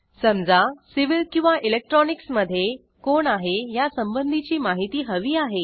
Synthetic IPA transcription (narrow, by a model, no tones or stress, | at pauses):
səmd͡zasiʋilkĩw̃ʋaʔilek̚ʈɾɔniksməd̪ʱːje | koɳaɦejasəmbənd̪ʱit͡ɕiːmaɦit̪iːɦəʋiːaɦe